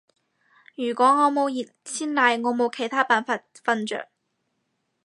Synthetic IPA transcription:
jyː˨˩kʷɔː˨˥ŋɔː˨˥mo˨˧wjiː˨˩t̚sʰiː˥nlaː˨˧jŋɔː˨˧mo˨˧wkʰe˨˩jt̪ʰaː˥paː˨˩nfaː˧t̚ | fɐ˧nt͡ʃœ̰ː˨k̚

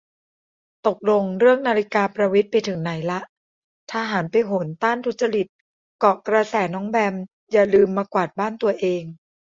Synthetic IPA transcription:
t̪o˨˩k̚lo˧ŋɾɯ˥˩əŋnaː˧ɾi˦˥kaː˧pɾa˧wi˦˥t̪̚pa˧jt̪ʰɯ˩˦ŋna˩˦jla˦˥ʔ | t̪ʰaː˧ɦaː˩˦npa˧jɦo˩˦nt̪aː˥˩nt̪ʰu˦˥t̪̚t͡ɕa˧li˨˩t̪̚ | kɔ˨˩kɾa˧sɛː˩˦nɔː˦˥ŋbɛ˧m | jaː˨˩lɯː˧mːaː˧kwaː˨˩t̪̚baː˥˩nt̪u˧ɐʔeː˧ŋ

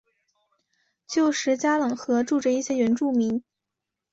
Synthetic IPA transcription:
t͡ɕjo˥˩ʊʂɻ̩˧˥t͡ɕja˥lɤ˨˩ŋxɤ˧˥ʈ͡ʂu˥˩ʈ͡ʂə˨˩i˥˩ɕjɛ˥ɥɛ˧˥nʈ͡ʂu˥˩mi˧˥ŋ

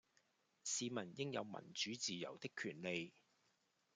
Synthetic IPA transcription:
siː˨˧mɐ˨˩njɪ˥ŋjɐ̰˨˧wmɐ̰˨˩nt͡ʃyː˨˥t͡siː˨jɐ̰˨˩wt̪ɪ˥kʰːyː˨˩nle˨˧j

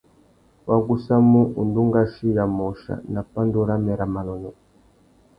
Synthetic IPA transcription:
wa˨ɡu˦sa˦mu˦ʔu˨ndu˦ŋɡa˦ʃi˦ja˨mɔ˨ʃa̰˨na˨pa˦ndu˦ɾa˦mɛ˨ɾa˨ma˨lɔ˨nɔ˨

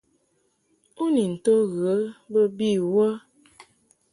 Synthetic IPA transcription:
u˦ni˨n̩˨to˦ɣə˨ə˦bə˦bi˦˨wə˦

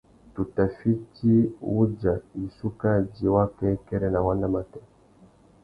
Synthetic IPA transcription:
tu˨ta˨fi˦ti˦wu˦d͡ʒa˨i˨su˦ka˦˨d͡ʒi˨wa˦kɛ˦kɛ˦ɾɛ˦na˨wa˦na˦ma˨tɛ˦

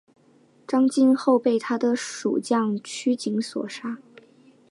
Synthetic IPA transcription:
ʈ͡ʂɑ˥ŋt͡ɕi˥˧nxo˥˧ʊpe˥˩ɪt̪ʰa˥d̪ə˨ʂṵ˨˩t͡ɕjɑ˥˩ŋt͡ɕʰy˥t͡ɕi˧˥ŋswɔ̰˨˩ʂa˥

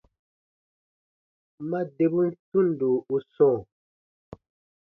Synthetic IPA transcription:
ma˦de˨bu˦n̩˦tu˦˨n˨do˨u˦sɔ̃ː˦˨

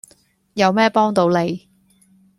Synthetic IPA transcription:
jɐ˨˧wmɛː˥pɔː˥ŋt̪o˨˧wle˨˧j

